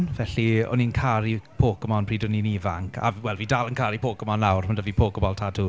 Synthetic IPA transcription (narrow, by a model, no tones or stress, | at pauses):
nvɛɬiɔ̰niənkʰaɾipʰoːkɔmɔnpʰriːdɔninivaŋkʰa̰vwɛlˠviːdaːlˠənkʰaɾipʰoːkɔmɔnlawrmandəvipʰoːkɔbɔlˠtʰadu